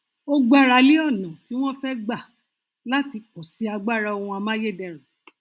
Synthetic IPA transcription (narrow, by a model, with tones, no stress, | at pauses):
o˦ɡ͡ba˦ɾa˨li˦ɔ˦˨nã˨ti˨˦w̃ɔ̃˦fɛ˦ɡ͡ba˦˨ | la˦ti˧k͡pɔ˨si˨˦a˧ɡ͡ba˦˨ɾa˧o˧hũ˧a˧mã˦je˦˨dɛ˦˨ɾ̃ɔ̃˨